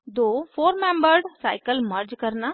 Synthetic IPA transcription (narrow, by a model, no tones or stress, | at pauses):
d̪oːfoːɾmẽːmbəɾɖsaːɪkəlmɐɾd͡ʒkɐɾna